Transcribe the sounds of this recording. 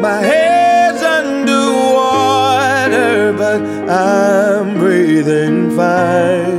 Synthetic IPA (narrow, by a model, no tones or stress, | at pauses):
maɪɦɛdzʌ̃ndəwɔ | ɾə˞bʌɾ | ʔaɪ̃mbɹiðɪ̃ŋfaɪ